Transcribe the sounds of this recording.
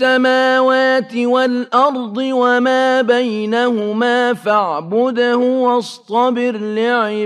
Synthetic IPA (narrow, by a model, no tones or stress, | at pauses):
amaːwaːt̪ɪwalʔɑɾˤd̪ˤɨwamaːbajnahʊmaːfaʕbʊd̪ahʊwɑst̪ˤɑbɪɾlɪʕɪ